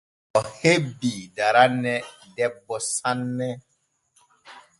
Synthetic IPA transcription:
ɔhebiːdaɾanɛdɛbːɔsãnːɛ

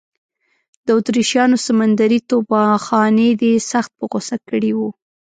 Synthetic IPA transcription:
d̪̥əʊt̪ɾiʃjɑnosamand̪aɾit̪obɑxɑned̪esaxt̪̚pəɣosakːəɽiwu

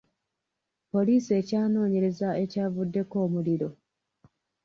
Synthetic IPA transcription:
po̞liːsie̞ːcaːno̞ːɲe̞ɾe̞zae̞caːvudːe̞ko̞ːmuliɾo̞

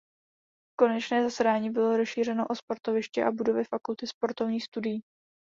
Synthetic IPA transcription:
ko̞nɛt͡ʃnɛːzasɛdaːɲiːbɪlo̞ɾosʃiːr̝ɛno̞ʔo̞spo̞ɾt̪o̞vɪʃcɛʔabudo̞vɪfakult̪ɪspo̞ɾt̪ovɲiːxst̪udɪjiː

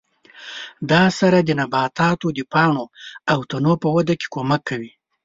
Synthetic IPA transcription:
d̪ɑsaɾad̪ənabɑt̪ɑt̪od̪əpɑɳoawt̪anopəwad̪ake̥komakʰːawi

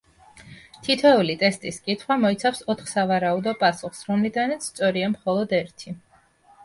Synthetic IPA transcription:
t̪ʰit̪ʰɛulit̪ʼɛst̪ʼiskʼit̪ʰχwamɔit̪sʰafsɔt̪ʰχsavaɾaud̪ɔpʼasuχsɾɔmlid̪anat̪sʰst̪sʼɔɾiamχɔlˠɔd̪ɛɾt̪ʰi

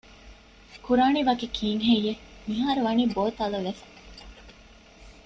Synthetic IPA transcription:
kuɾaːniʋɐkikʰiːŋɦejːemiɦaːɾuʋɐniːboːt̪ɐlɐʋefɐ̥

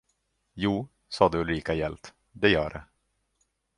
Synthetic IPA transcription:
juː | sɑːd̪ɛʊliːkajɛlt̪ | d̪ɛjœːɖɛ̰

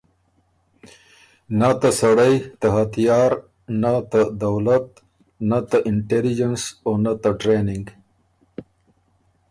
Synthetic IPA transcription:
nat̪asɐɽajt̪aɦɐt̪ijaːɾ | nat̪ad̪ɐwlat̪ | nat̪aʔɪɳʈelid͡ʒensonat̪aʈɾenɪŋɡ

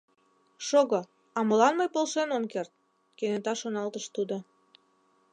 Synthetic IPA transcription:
ʃoɣo | ɑməlɑnmɤjpolʃenomkert̪̚ | kenet̪ɑʃonɑlt̪əʃt̪ud̪o

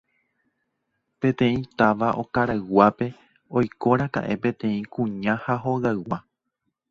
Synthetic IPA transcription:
pẽ̞t̪ẽ̞ĩt̪aʋaʔo̞kaɾaɨwape̞ | o̞jko̞ɾaka̰ʔe̞pẽ̞t̪ẽ̞ĩkũɲãhaɦo̞ɣaɨwa

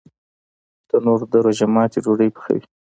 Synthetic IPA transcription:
t̪ənoɾd̪əɾoʒamɑːt̪ed͡ʒoɽəjpə̥xa̰wi

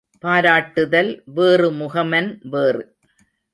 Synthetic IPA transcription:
paːɾaːʈːɯðɐlʋeːrɯmʊɣɐmɐnʋeːrɯ

